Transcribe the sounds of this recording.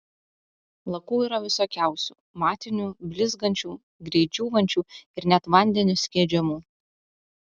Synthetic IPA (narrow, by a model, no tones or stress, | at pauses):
lˠɐkuːiːɾɐʋʲɪsoːkʲæˑʊsʲuːmɑːt̪ʲɪnʲuːbʲlʲɪzɡɐnʲt͡ʃʲuː | ɡɾʲɛɪd͡ʒʲuːʋɐnʲt͡ʃʲuːɪɾnʲɛt̪ʋɐnʲd̪ʲɛnʲʊsʲkʲiːd͡ʒʲɛmuː